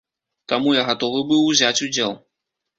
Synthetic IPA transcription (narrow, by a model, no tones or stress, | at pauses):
t̪amujaɣat̪ɔvɨbɨwzʲat͡sʲud͡zʲɛlˠ